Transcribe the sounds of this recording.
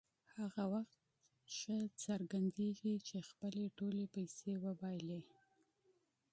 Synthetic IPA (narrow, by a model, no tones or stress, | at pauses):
haɣawaxt̪ | ʃət͡saɾɡand̪eɡit͡ʃexpəleʈolepajsewəbɑjle